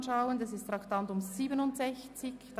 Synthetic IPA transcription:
nʃaʊəndɛsɪst̪ɾaktantʊmziːbənʊntsɛçt͡sɪçd̥

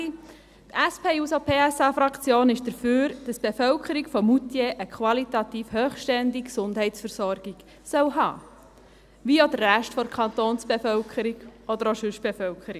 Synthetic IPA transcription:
t̪æspʰeːusopʰeːæsɑːfɾɑkt͡sjoːnɪʃd̥əɾføːɾd̥ɑsb̥efœʊkʰəɾikfɔmut̪jeʔəkʰʋɑlit̪ɑt̪iːfhøːχʃtɛndiksʊnd̥ɦɛɪtsfəɾsɔɾɡiɡ̥ | sœwɦɑ̰ː | ʋiːod̪ərːæʃtfɔɾkʰɑnt̪oːnsb̥efœʊkʰəɾiɡɔd̪əɾoʃʉʃb̥efœʊkχəɾi

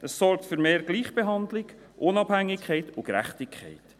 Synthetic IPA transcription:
əssɔɾk̚tføɾmeːɾɡ̥liːχb̥eɦɑndlɪɡ | ʔʊnɑb̥hæŋːɪkʰχɛɪtʊkɾæ̰χtɪkʰχɛ̰ɪt

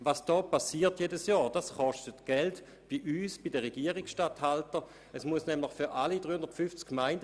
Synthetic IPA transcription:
vasd̥ɔːpasiːɐtjedəsjɔːd̥asχɔʃtətɡ̥ɛlt | b̥iʔyːsb̥idəʁeɡiəʁɪksʃtathaltə | ʔɛsmuəsnɛmlɪχfyʁʔalidʁyːhʊnd̥ɐtfyft͡skːmaɪnd

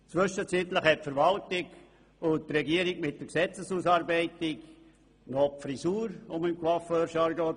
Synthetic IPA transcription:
t͡sʋʏʃət͡sit̪ləχhɛt̚fəɾvɑltɪk | ʊtɾɛɡiəɾikmɪt̚dəɾksɛt͡səsuːsɑːɾbɛɪtɪk | nofɾisuːɾʊmɪmkwɑføːɾʃɑɾɡo

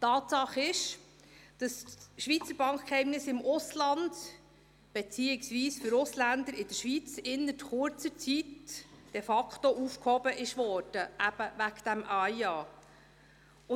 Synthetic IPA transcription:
t̪ɑːt̪sɑχɪʃ | d̥ɑsʃʋit͡səɾb̥ɑŋkχkhɛɪmnɪsɪmʔʊslɑnd | b̥et͡siːɪksʋiːsfʏɾʊslænd̪əɾɪd̥əɾʃʋit͡sɪnːətχʊɾt͡sət͡sitd̥ɛfɑkt̪oʔufkhɔbəʔɪʃʋɔːɾd̥əʔæb̥əvækd̥̪æmʔɑjɑː | ʊ

